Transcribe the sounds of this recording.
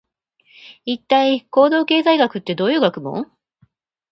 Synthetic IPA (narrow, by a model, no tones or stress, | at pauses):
it̪ːaiko̞ːd̪o̞ːke̞ːzaiɡakɯ̟t̪ːe̞d̪o̞ːjɯ̟ːɡakɯ̟mõ̰